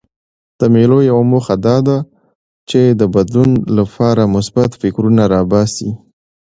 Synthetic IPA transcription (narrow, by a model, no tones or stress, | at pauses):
d̪̥əmelojawamoxad̪ɑd̪a | t͡ʃed̪əbad̪lunlapʰɑɾamʊsbat̪fɪkɾunaɾɑbɑsi